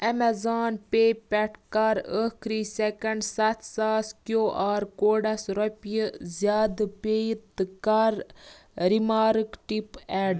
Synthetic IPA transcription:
ɐmɛzaːnpeːpɛʈʰkɐɾəkʰɾiːsekɐɳɖsɐt̪ʰsaːskjoːʔaːɾkoːɖɐsɾɔpjəzjaːd̪peːjit̪ɨkɐɾ | ɾimaːɾɨkʈipɛːɖ

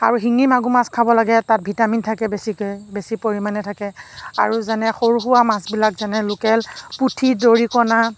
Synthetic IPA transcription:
aɹuɦiŋimaɡumaskʰabɔlaɡɛtat̚bʱitamintʰakɛbesikojbesipoɹimanɛtʰakɛa̰ɹuzanɛxoɹuxuwamasbilakzanɛlʊkɛlputʰidoɹikɔna

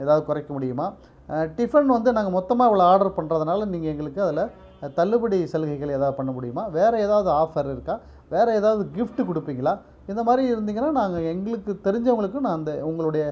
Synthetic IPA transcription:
eːðaːʋðɯkʊɾɐɪkːɐmʊɽɪjɯmaː | ʈɪfɐɳɖʋɐnd̪ɯnaːŋɡɐmɔt̪ːɐmaːɪʋɐɭɐaːɾɖɐɾpɐɳrɐðɐnaːlɐniːŋɡɐɛŋɡɐɭɯkːɯɐðɪlɐ | t̪ɐlːɯbɐɽisɛlɣɐɪɣɐɭeːðaːʋðɯpɐɳːɐmʊɽɪjɯmaːʋeːɾɐeːðaːʋɐðɯaːfɐɾɪɾɯkːãː | ʋeːɾɛeːðaːʋɐðɯɡɪfʈkʊɽɯpːiːŋɡɐɭaː | ɪnd̪ɐmaːd̪ɾiɪɾɯnd̪iːŋɡɐnːaːnaːŋɡɐɛŋɡɐɭɯkːɯt̪ɛɾɪɲd͡ʒɐʋʊŋɡɐɭɯkːɯ̃nãːɪnd̪ɐʊŋɡɐɭɯɽɐjɐ

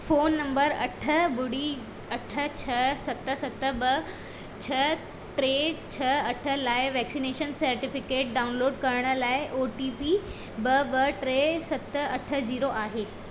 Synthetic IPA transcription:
foːnːɐmbəɾɐ̰ʈʰəbʊɽi | ɐʈʰət͡ɕʰɐsɐt̪əsɐt̪əbə | t͡ɕʰə | ʈɾeːt͡ɕʰəɐʈʰəlaːɪʋɛːksineːʃənsɐɾʈifɪkeːʈ̚ɖaːʊnloːɖkɐɾɽ̃əlaːɪʔoːʈipi | bəbəʈɾesɐt̪əɐʈʰə̆d͡ʑiːɾoʔaːɦeː

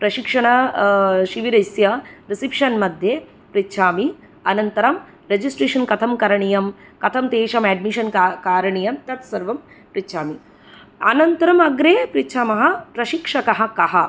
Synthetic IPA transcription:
pɾɐʃikʂɐɳɐ | ʃiʋiɾɐsjɐɾisipʂɐnmɐd̪ʱje | pɾitːʃʰaːmi | ɐnɐnt̪ɐɾɐm | ɾed͡ʒisʈɾeːʂɐnkɐt̪ʰɐmkɐɾɐɳijɐmkɐt̪ʰɐmt̪eːʃɐmɛːɖmiʃɐnkakaːɾɐɳijɐmt̪ɐt̪sɐɾʋɐm | pɾitːʃʰaːmi | ɐ̰nɐnt̪ɐɾɐmɐɡɾeːpɾitːʃʰaːmɐɦɐpɾɐʃikʂɐkɐɦɐ̆kɐɦɐ

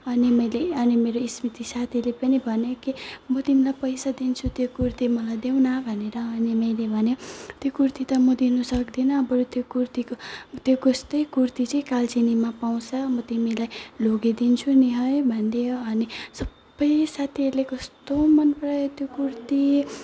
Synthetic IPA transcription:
ʌnimʌjleʌnimeɾoismit̪isat̪ʰilepʌnibʱʌnekimʌt̪imilajpʌjsad̪int͡sʰut̪jokurt̪imʌlajd̪ewnabʱʌneɾʌːnimʌjlebʱʌnet̪jokurt̪it̪ʌmʌd̪inusʌkd̪inʌːbʌɾot̪jokurt̪ikot̪jokʌst̪ʌjkurt̪it͡sʌĩkalt͡sinimapaw̃t͡sʰʌmʌt̪imilajloɡed̪int͡sʰuniɦʌjbʱʌnd̪eoʌnisʌbːʌjsat̪ʰiʌɾlekʌst̪omʌnprʌjt̪jokurt̪i

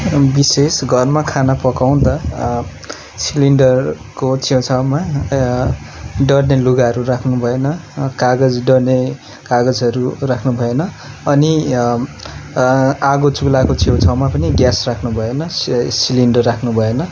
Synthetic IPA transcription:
bisesɡʱʌrmakʰanapʌkaw̃d̪ʌ | siliɳɖʌr | kot͡sʰewt͡sʰawma | ɖʌɽneluɡaɦʌɾurakʰnubʱʌenʌkaɡʌd͡zɖʌrne | kaɡʌd͡zʌɾurakʰnubʱʌenʌː | ni | aɡot͡suklakot͡sʰiewt͡sʰawmapʌniɡjasrakʰnubʱʌenʌsiliɳɖʌrːakʰnubʱʌenʌ

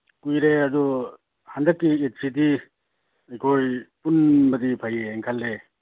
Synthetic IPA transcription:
kujɾeɐdu | handɐkːiek̚siti | ekʰojpunbɐdipʰajeːŋkʰalɾe

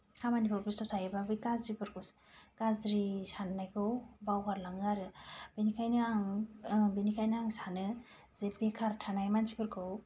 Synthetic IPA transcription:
kʰamanipʰɔpɾisɔsʰajɯbabɯjkazɾibʰɯɾkʰɯw | kazɾisanːajkʰɯwbawkʰaɾlaŋɯaɾɯbenikʰajnɯaŋbenikʰajnɯaŋsanɯ | zepekʰaɾtʰanajmansipʰɯɾkʰɯw

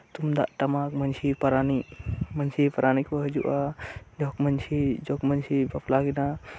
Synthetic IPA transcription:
t̪umd̪a̰ʔʈɐmakmənt͡ʃʰipɐɾanimɐnt͡ʃʰipɐɾaːnikəɦd͡ʒṵʔad͡ʒɔkmənt͡ʃʰid͡ʒɔkmənt͡ʃʰipɐplaɡina

